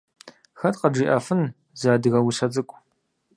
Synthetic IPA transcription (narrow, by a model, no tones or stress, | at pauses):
xɐtqɐd͡ʒiːʔɐfɨn | zaːdɨɣɐwiɕɐd͡zʼɨkʷʼ